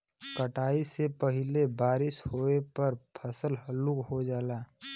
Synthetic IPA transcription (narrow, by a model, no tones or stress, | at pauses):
kəʈaːisepɐɦɪlebaːɾɪshoːepɐɾpʰɐsəlɦəlukɦod͡ʒaːlaː